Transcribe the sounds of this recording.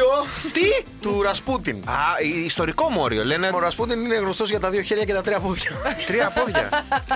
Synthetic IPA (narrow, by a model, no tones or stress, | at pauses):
ot̪it̪uɾɐsput̪inɐiːst̪o̞ɾiko̞mo̞̰ɾio̞̰le̞nemoɾɐsput̪inine̞ɣno̞st̪o̞zʝɐt̪ɐðio̞çeɾʝɐce̞t̪ɐt̪ɾiɐpoðʝɐt̪ɾiɐpo̞ðʝɐ̰